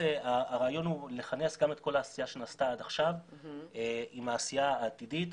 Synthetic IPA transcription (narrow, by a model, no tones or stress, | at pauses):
eaːʁaːjo̞nhule̞χane̞sɡame̞t̪ko̞laːsijaʃe̞nastaad̪aχʃaveimaːsijaaːt̪idit̪